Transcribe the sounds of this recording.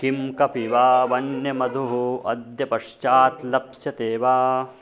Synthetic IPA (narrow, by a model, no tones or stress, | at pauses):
kimkɐpiʋaːʋɐnjɐmɐd̪ʱuɦuɐ̰d̪jɐpɐʂt͡ʃaːt̪lɐpsjɐt̪eːʋaː